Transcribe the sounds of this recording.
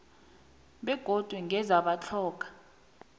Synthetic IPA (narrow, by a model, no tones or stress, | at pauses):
ɓɛɡ̥ʱod̥ʱwɛŋʱɛzaɓat͡ɬʰɔːk̬ʼḁ